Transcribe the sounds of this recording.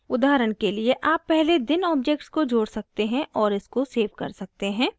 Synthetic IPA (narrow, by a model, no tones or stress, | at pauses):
ʊd̪aːɾəɽ̃kelieʔaːpːɛɦled̪ɪnɔːb̚d͡ʒek̚ʈskod͡ʒoːɽsɐk̚t̪eɦɛ̃ʔɔːɾɪskoseːʋkɐ̰ɾsɐk̚t̪eɦɛ̃ː